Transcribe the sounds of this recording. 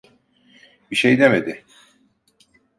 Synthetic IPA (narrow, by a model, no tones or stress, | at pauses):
biʃejd̪emed̪ɪ